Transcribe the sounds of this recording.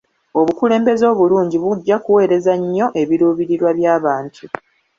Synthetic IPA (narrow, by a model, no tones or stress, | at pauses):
o̞βukule̞ːmbe̞zo̞ːβuluːɲɟiβuɟːakuwe̞ːɾe̞zaɲːo̞ʔe̞βiɾuːβiɾiɾwaβjaːβaːntʰu